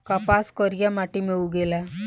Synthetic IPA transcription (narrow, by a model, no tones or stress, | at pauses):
kapaskəɾjamaʈimewuɡela